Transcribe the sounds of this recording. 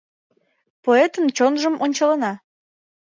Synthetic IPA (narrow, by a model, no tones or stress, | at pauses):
poet̪ənt͡ɕonʒəmonʲt͡ɕɑlənɑ